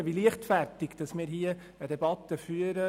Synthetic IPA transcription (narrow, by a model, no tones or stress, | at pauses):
ʋiliəχtfærtɪɡ̥d̥ɑsmiːɾɦiə | əd̪ɛbɑt̪ːəfyəɾə